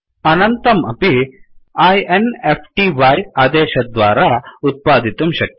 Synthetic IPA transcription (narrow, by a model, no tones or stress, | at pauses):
ɐnɐnt̪ɐmɐpi | aːjenepʰʈiʋaːjaːd̪eːʃɐd̪ʋaːɾaːut̪̚paːd̪it̪umʃɐk̪̚